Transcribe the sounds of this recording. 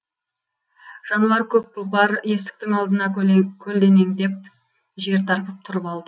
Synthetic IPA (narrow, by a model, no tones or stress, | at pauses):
ʒ̥ɑnuɑɾkʲʰɵp̚kʊlˠbɑɾje̞st̪ɪ̥k̚t̪ɪŋɑlˠd̪ənɑkʲʰɵld̪e̞neŋd̪e̞p̚ | ʒe̞ɾt̪ʰɑɾpəp̚t̪ʰʊɾəpɑlˠd̪ə